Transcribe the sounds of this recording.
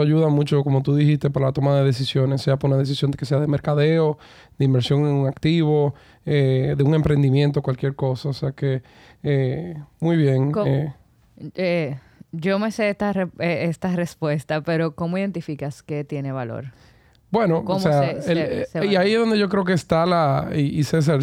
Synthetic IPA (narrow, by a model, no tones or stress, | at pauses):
aʝuðamũt͡ʃo̞ko̞mo̞t̪uðihist̪epaɾalat̪o̞maðe̞ðe̞s̬isjo̞ne̞sːe̞apoɾunaðe̞s̬isjond̪keseaðe̞meɾkaðe̞o̞ | d̪e̞imbe̞ɾsjo̞ŋeŋuŋakt̪iβo̞ | eðeuŋe̞mpɾe̞nd̪imjent̪okwalkje̞ɾko̞saoseake̞ | emujβje̞ŋe | e | d͡ʒo̞meseest̪aeeest̪arespwe̞st̪ape̞ɾo̞ko̞moiðe̞nt̪ifikaske̞t̪jeneβalo̞̰ɾ | b̥we̞nooseaeiaiezðo̞nd̪ʝo̞kɾeo̞k̬eːst̪alaiises̬aɾ